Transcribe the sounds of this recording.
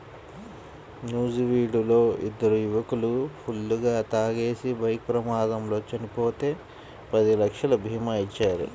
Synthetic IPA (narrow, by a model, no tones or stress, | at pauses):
njuːd͡ʒiʋiːɖulo̞ːḭd̪ːɐɾujuʋɐkulupʰulːuɡaːt̪aːɡe̞ːsibɐjk̚pɾɐmaːd̪ɐmlo̞ːt͡ʃɐnipo̞ːt̪e̞ː | pɐd̪ilɐkʂɐlɐbʱiːmɐit͡ʃːaːɾṵ